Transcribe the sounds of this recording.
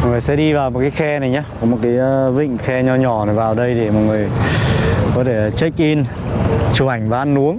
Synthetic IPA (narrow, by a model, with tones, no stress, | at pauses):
ɔ˨˩ŋɨ˨˩əjsɛ̰˧˥ɗi˧vaː˨˩wmo˨˩kaː˨˦xɛ˧na˨˩jɲaː˨˦kɔ˨˦mo˨˩t̚kaː˨˦jːvḭ̈˧˨ŋ̟xɛ˧ɲɔ˧ɲɔ˨˩na˨˩jvaː˨˩wɗə˧jɗe˧˩mɔ˨˩t̚ŋɨ˨˩əj | kɔ˨˦t̪ʰe˧˩t͡ɕə˦˥k̚ʔi˧n | t͡ɕu˨˧˩ʔa˧˩jŋ̟vaː˨˩ʔa˧nːʔu˨˦əŋ